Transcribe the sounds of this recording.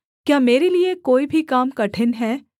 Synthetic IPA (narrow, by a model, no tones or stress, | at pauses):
kjaːmeːɾeliekoːibʱikaːmkɐʈʰɪnɦɛː